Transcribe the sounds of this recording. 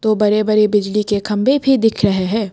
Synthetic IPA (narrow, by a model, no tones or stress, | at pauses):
t̪oːbɐɾebɐɾebɪd͡ʒlikekʰɐ̃mbʱebʱid̪ɪkʰɾɐɦeɦɛ̃ː